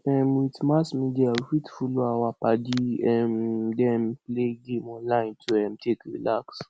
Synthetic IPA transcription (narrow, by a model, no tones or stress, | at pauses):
ɛmitimasmĩdiafitfuloawapadiɛm̩dɛm̩pleɡemɔ̃nlaĩntoɛm̩tʰekɾḭlaks